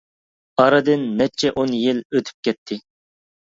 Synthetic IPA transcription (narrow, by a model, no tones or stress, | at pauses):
ɑɾɨd̪ɨnːɛt͡ʃʰɛʔonjiløt̪ʰy̥p̚kʲɛt̪ʰːɪ